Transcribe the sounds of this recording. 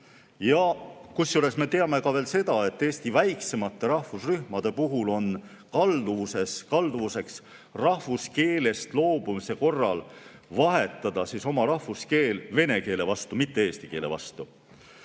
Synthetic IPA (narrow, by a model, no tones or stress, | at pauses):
jɑkusjule̞sme̞t̪e̞ɑme̞kɑve̞ːlse̞d̪̥ɑe̞t̪ːeːst̪ivæjkse̞mɑt̪ˑːe̞ɾɑhvusryhmɑd̪̥e̞puɦulo̞n | kɑld̪uvuse̞skɑld̪uvuse̞ks | rɑhvuske̞ːle̞st̪lo̞ːb̥umise̞ko̞rːɑl | vɑɦe̞t̪ˑːɑd̪̥ɑsiso̞mɑɾɑhvuske̞ːlve̞ne̞ke̞ːle̞vɑst̪umit̪ːe̞eːst̪ike̞ːle̞̰vɑ̰st̪u